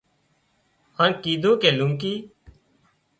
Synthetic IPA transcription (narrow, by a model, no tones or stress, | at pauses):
haːnkiːd̪ʱõːkeːlũŋkiː